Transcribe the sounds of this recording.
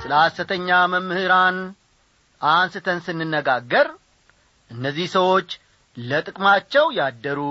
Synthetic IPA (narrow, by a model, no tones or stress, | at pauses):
sɨlasɨt̪ʰəɲːaməmːɨhɨɾan | ʔansɨt̪ʰənsɨnːɨnːəɡaɡːəɾ | ʔɨnːəzːihsəwo̞t͡ʃː | lət̪ʼɨkʼmat͡ʃːɛwjad̪ːəɾu